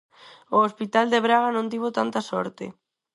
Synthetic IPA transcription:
oospit̪ald̪eβɾaɣanõnt̪iβ̞ot̪ant̪asɔ̰ɾt̪ɪ̰

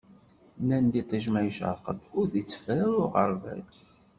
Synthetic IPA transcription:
nænd̪it̪ˤiʒmæjʃə̰ɾˤqə̰d̪ʊɾθit͡sːə̥fɾæɾʊʁə̰ɾˤvæ̰d

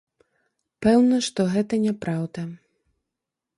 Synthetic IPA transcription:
pɛwnɐʂt̪ɔɣɛt̪ɐnʲɛpɾawd̪ɐ

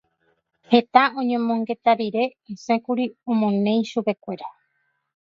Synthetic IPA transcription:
he̞t̪aõ̞ɲẽ̞mõ̞ŋɡe̞t̪aɾiɾe̞esẽ̞kuɾiõmõnẽ̞j̃ʃupe̞kʷe̞ɾa

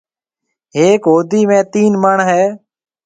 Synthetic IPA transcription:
ɦeːkɦoːd̪iːmẽːt̪iːnməɳɦɛː

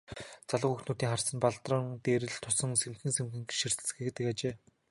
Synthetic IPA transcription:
t͡saɮə̆xuxt̪nuːt̪iːŋχarsə̆npaɮt̪rə̆ŋt̪eːɾɘ̆ɮt̪ʰʊsə̆ŋsemxɘ̆ŋsemxɘ̆ŋɡʃir̥t̪ɘ̆t͡s̆xekt̪ɘ̆kat͡ɕeː

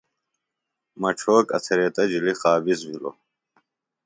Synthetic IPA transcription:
mɐʈ͡ʂʰoːkɐ̰t̪ʰɐɾeːt̪ɐd͡ʑilixaːbizwilo̰

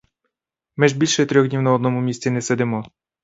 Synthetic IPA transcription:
mɪʒbʲilʲʃɛt̪ɾʲɔɣd̪ʲnʲiwnɐɔd̪nɔmʊmʲisʲt͡sʲinɛsɛd̪ɪmɔ

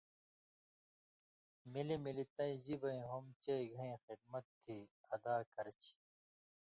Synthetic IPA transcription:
milimilit̪ɐ̃ĩd͡ʑibɐĩɦomt͡ɕɐiɡʱɐ̃ĩxid̪̚mɐt̪ʰːiɐd̪aːkɐɾt͡ɕʰi̥

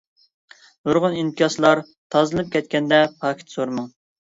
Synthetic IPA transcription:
d̪oɾʁʊnint̪ʰijɑslˠɑɾ | t̪ʰɑzɨlˠɨp̚kʲʰɛt̪kʲɛnd̪ɛpʰɑkʲʰi̥t̪soɾmɨŋ

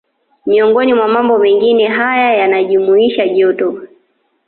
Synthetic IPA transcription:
miɔŋɡɔnimwamambɔmɛŋɡinɛɦajajanaʄumuiʃaʄiɔtɔa

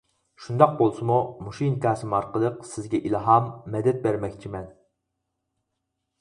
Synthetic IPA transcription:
ʃund̪ɑq̚bolˠsɨmumuʃinkʲʰɑːsɨmɑɾqəlˠəqsɪzɡʲɛʔilˠɦɑmːɛd̪ɛt̪̚bæɾmɛkʲt͡ʃʰimɛn

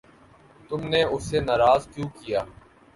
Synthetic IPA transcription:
t̪ʊmneʊsenaːɾaːzkjũːkijaː

